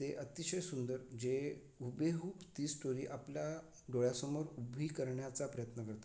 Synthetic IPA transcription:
teʔət̪iɕəjsund̪əɾd͡ʑe | ubeɦuːpt̪iːsʈoɾiːʔaplja | ɖoɭjasəmoɾubʱiːkəɾɳjat͡sapɾəjət̪nəkəɾt̪

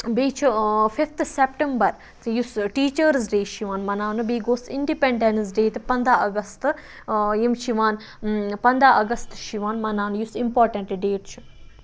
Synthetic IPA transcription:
beːt͡ʃʰufift̪ʰsepʈembɐɾ | jusʈiːt͡ʃəɾzɖeːʃiʋãːnmɐnaːnɨbiːɡoːsiɳɖipẽɳɖens̬ɖeːt̪pɐ̃nd̪ʱaːɐɡɐst̪ | jimʃiʋaːn | pɐ̃nd̪ʱaʔɐɡɐst̪ʃiʋaːnmɐnaːnjusimpoːɾʈɐ̃ɳʈɖeːʈt͡ʃʰu

